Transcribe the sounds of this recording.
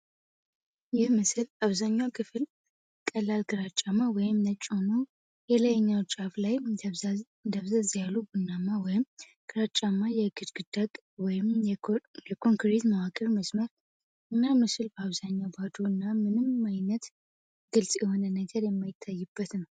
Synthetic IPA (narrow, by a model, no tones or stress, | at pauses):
jɪhmɨsɨlaβzaɲːawkʰɨfɨl | kʼəlːalɡɨɾat͡ʃʼamːawɔjɪmnət͡ʃʼːono | jɛləjɛɲːawt͡ʃʼaflaj | nd̪əβzazjalːubunːamːawɔjɪm | ɡ̥ɨɾat͡ʃʼamːajɛɡɨd̪ɡ̥ɨd̪̥akʼ | wɔjɪm | jɛkʰo̞ŋkɾit̪mawakʼəɾməsməɾ | ɨnːamɨsɨlbəaβzaɲːabad̪uɨnːamɨnɨmajnət̪ | ɡ̥ɨlsʼjɛho̞nənəɡəɾjɛmːajɪt̪ʰːajːɨbːət̪nəw